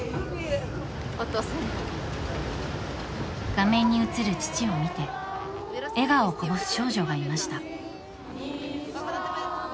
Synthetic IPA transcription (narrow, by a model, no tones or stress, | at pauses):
ɡ̥amẽ̞ɲ̟ːiɯ̟t͡sɨɾɯ̟t͡ɕi̥t͡ɕio̞mʲit̪e̞ | e̞ɡao̞kobo̞sɨ̥ɕo̞ːʑo̞ɡaimaɕi̥t̪a